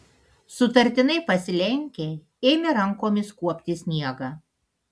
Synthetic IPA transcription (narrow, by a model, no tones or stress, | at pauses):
sʊt̪ɐɾʲt̪ʲɪnɐɪpɐsʲɪlʲɛŋʲkʲeː | eːmʲɪɾɐŋkoːmʲɪskuɔpʲt̪ʲɪsʲnʲiɛɡɐː